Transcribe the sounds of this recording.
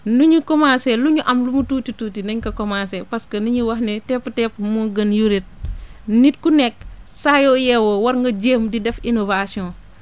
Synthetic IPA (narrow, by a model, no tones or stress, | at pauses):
nuɲukɔmasɛluɲuʔɐmlumutuːtituːtinɐɲkɐkɔmasɛpɐskɐnuɲiwɐxnɛtɛpːtɛpmuɡɐnjuɾit̚nit̚kunɛk̚sajɔːjɛwɔwɐɾŋɡɐɟeːmdidɛfinovasiɔ̃ː